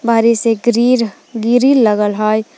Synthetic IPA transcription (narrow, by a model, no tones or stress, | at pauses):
bʱaɾiseɡɾiɾ | ɡiɾilːəɡəlɦɔj